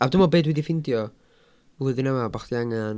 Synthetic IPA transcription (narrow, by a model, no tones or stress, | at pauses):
adɪmɔbeːdwidifɪndjɔ | uðɪnamabaχdiaŋan